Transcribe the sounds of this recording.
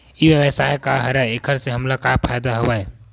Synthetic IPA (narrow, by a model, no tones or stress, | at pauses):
ibjəwəsajkaɦəɾaekʰəɾsẽɦəmlakapʰajd̪aɦobaj